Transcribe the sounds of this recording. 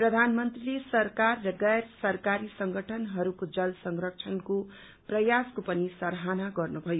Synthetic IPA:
prʌd̪ʱanmʌnt̪rilesʌrkarːʌɡʌjrsʌrkaɾisʌŋɡʱʌʈʰʌnɦʌɾukod͡zʌlsʌŋrʌk̚t͡sʰʌnko | prʌjaskopʌnisʌɾɦanaɡʌrnubʱʌjo

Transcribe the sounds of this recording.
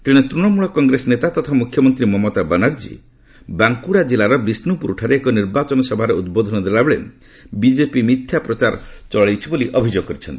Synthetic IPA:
t̪iɽ̃et̪ɾunɔmuɭɔkɔŋɡɾesɔnet̪at̪ɔt̪ʰamukʰjɔmɔnt̪ɾimɔmɔt̪abɐnaɾd͡ʒḭ | baŋkuɽad͡ʒilaɾɔbɾisnupuɾuʈʰaɾeeːkɔniɾbat͡ʃɔnɔsɔbʱaɾeud̪̚bod̪ʱɔnɔd̪elabeɭḛ | bid͡ʒepimit̪ʰjapɾɔt͡ʃaɾt͡ʃɔɭajt͡ʃʰiboliʔɔbʱid͡ʒoɡɔkɔɾit͡ʃʰɔnt̪ii̥

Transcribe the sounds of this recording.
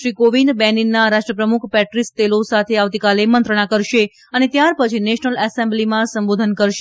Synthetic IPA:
ɾikoʋind̪bɛninːaɾaʃʈɾəpɾəmukʰpɛʈɾist̪elosat̪ʰeaʋt̪ikalemənt̪ɾəɽ̃akəɾʃe | ənet̪jaɾpət͡ʃʰineʃnəlɛsẽmblimãsəmbod̪ʱənkəɾʃe

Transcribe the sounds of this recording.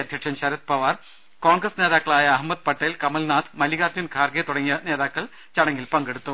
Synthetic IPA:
ɐd̪ʱjɐkʂɐmɕɐɾɐt̪̚pɐʋaːr | koːɳɡrɐsne̞ːðaːkːɐɭaːjɐɐɦmːɐd̪̚pɐʈːɐjlkɐmɐlnaːt̪ʰmɐliɣaːt͡ɕunkʰaːrɡet̪uɽɐŋːijɐneːðaːkːɐɭ | t͡ɕɐɽɐŋɡilpɐŋɡeɽut̪ːu

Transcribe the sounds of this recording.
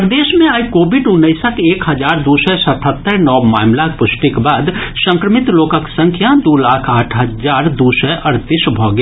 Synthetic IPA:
pɾd̪eːʃmẽaːjkoːbɪɖʊnːəɪsəkeːkɦɐd͡ʒaːɾd̪usɛsət̪ʰət̪ːəɾnɔːmaːmlakpʊsʈikbaːd̪sə̃ŋkɾəmɪt̪loːkəksə̃ŋkʰjad̪uːlaːkʰaːʈʰɦəd͡ʒaːɾd̪uːsɛʔəɾt̪iːsbʱɔːɡ

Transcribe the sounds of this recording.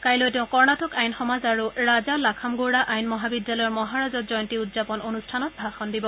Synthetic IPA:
kajlotɛʊ̃kɔɹnatɔkajnxɔmazaɹuɹazalakʰamɡoɹaʔajnmɔɦabidjalɔjɔɹmɔɦaɹazɔt̚zɔjɔntiudzapɔnonustʰanɔt̚bʱaxɔndibɔ

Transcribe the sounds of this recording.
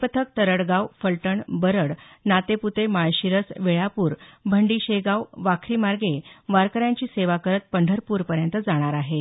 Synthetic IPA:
pət̪ʰək̚t̪əɾəɽɡawfəlʈəɳbəɾəɽ | nat̪eput̪emajɕiɾəsʋeɭapuːɾbʱəɳɖiːɕeɡaʋʋakʰɾiːmaɾɡeʋaɾkəɾjãɲt͡ɕiːseʋakəɾət̪̚pəɳɖʱəɾpuːɾpəɾjənt̪əd͡zaɽ̃aɾaɦe

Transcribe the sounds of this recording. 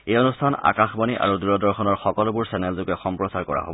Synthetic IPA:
ejonustʰana̰kaxbɔniʔa̰ɹuduɹɔdɔɹxɔnɔɹxɔkɔlʊbuɹsɛnɛlzʊkɛxɔmpɹɔsaɹkɔɹa̰ɦo̰bɔ

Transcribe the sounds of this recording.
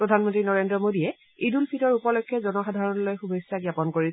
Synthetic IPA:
pɹɔdʱanmɔntɹinɔɹendɹɔmodiɛ | idulpʰitɔɹupɔlɔjkʰːjɔzɔnɔxadʱaɹɔnlojxubʱojsːaɡjapɔnkoɹi

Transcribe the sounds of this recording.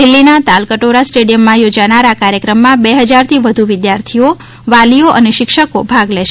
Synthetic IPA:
dɪlːinat̪alkəʈoɾasʈeɽijəmːãjod͡ʒanaɾakaɾjəkɾəmːãbeɦəd͡ʒaɾt̪ʰiʋəd̪ʱuʋɪd̪jaɾt̪ʰio | ʋalioʔəneʃɪkʃəkobʱaɡlɛʃ

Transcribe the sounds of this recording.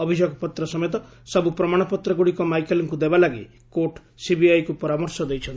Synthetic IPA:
ɔbʱid͡ʒɔɡpɔt̪ɾɔsɔmet̪ɔ | sɔbupɾɔmaɽ̃ɔpɔt̪ɾɔɡuɽikɔmajkeliŋkud̪ebalaɡi | koʈ | sibiajkupɔɾamɔɾsɔd̪ejt͡ʃʰʌn

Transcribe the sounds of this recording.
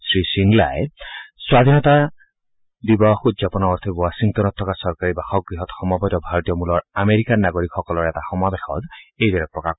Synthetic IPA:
sɹisiŋla̰jɛswad̪ʱinɔta | dibɔxutzapɔnaɔɹt̪ʰibwasiŋtɔnɔtʰːɔkasɔɹkaɹibaxɔk̚ɡɹiɦɔtxɔmɔbɔtɔbʱaɹɔtijɔmulɔɹameɹikanːaɡoɹikxɔkɔlɔɹɛtaxɔmabexɔ̰dejdaɹɛpɹɔka

